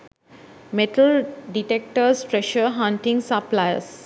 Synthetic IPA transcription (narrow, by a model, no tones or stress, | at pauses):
meʈəlɖiʈek̚ʈəɾsʈɾeʃəɾɦãɳʈĩŋɡsaplajəs